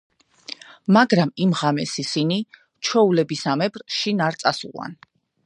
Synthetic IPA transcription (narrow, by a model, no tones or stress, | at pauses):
maɡɾamimʁamɛsisini | t͡ʃʰwɛulɛbisamɛbɾʃinaɾt̪sʼasṵla̰n